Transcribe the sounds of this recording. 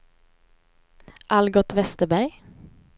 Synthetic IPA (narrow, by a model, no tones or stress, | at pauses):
ʔalɡɔt̪vɛst̪əbæɾj